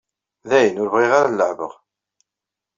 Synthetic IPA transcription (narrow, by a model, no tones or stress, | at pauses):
ðæjənʊɾvʁiʁaɾalːəʕvə̰ʁ